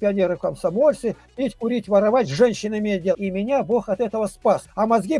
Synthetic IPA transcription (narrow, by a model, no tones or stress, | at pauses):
pʲɪɐnʲeɾɨfkəmsɐmolʲsɨ | pʲitʲkʊɾʲitʲvəɾɐvatʲʐɛnʲɕːɪnəɪmʲejt̪̚ʲdʲeimʲɪnʲabo̞xɐt̪ɛt̪əvəspasɐmɐzɡʲi